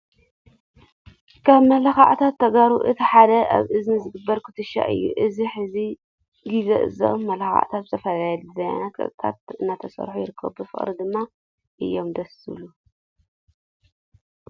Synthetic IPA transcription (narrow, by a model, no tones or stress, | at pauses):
kʰaβmɐlaxa̰ʔt̪ʰat̪ʰːɐɡaɾuʔɨt̪ʰiħad̪ɐa̰βʔɨznɨzɨɡɨbːɐɾkʰɨ̥t̪ʰɨʃa̰ʔɨ̰jːṵʔɨziħɨzi | ɡizɐ̰ʔɨ̰zɐ̰ʔmːɐlaxa̰ʔt̪ʰat̪̚zɨt̪ʰɐfɐlajluzɐja̰nat̪̚kʼɐ̰t̪ʼt̪ʰa̰t̪̚ɨnːat̪ʰɐsɐ̰ɾħujɪɾɨkʰːɐ̰βbɨfɨ̰χʼɾid̪ɨmːa | ʔɨjːo̞md̪ɐsɨ̰lu